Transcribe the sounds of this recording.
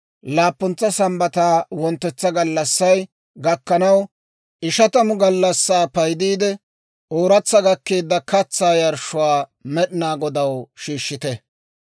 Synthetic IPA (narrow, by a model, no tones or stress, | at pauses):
laːpːʊnt͡sːɐsɐmbɐt̪aːwɔnt̪ːɛt͡sːɐɡɐlːɐsːɐj | ɡɐkːɐnɐw | ʔɪʃɐt̪ɐmʊɡɐlːɐsːaːpɐjd̪iːd̪ɛ | ʔoːɾɐt͡sːɐɡɐkːeːd̪ːɐkɐt͡sːaːjɐɾʃʊwaːmɛɗɪnaːɡɔd̪ɐwʃiːʃːɪt̪ɛ